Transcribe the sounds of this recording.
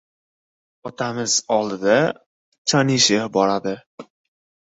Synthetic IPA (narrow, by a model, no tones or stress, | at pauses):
ɒt̪ʰamɪz̥ɒlˠd̪ɪd̪a | t͡ʃʰanɪʃɪbɒɾad̪ɪ